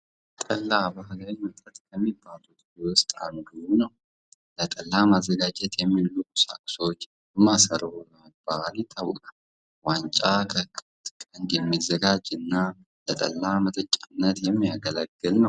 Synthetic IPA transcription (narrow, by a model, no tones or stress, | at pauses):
t̪ʼəlːabahlajmɨt̪ʼət̪kʰəmːibːalut̪jɪwɔst̪ʼa̰mɡɨwunəw | lət̪ʼəlːamazːəɡad͡ʒɛt̪jɛmːilːukusa̰kʼso̞t͡ʃː | ɨmasəɾhulmb̥alit̪ʰawkʼal | want͡ʃʼakʰəkʼ | t̪kʼənd̪jɛmːizəɡad͡ʒɨnːa | lət̪ʼə̰lːamət̪ʼət͡ʃʼːanːət̪jɛmːijaɡələɡːɨlnəw